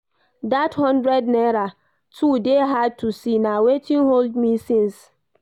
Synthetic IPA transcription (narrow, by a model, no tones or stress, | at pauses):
dathɔ̃ndɹɛdnɛɾa | tʰudeɦad̚tʰusinawetĩnɦoldmisĩns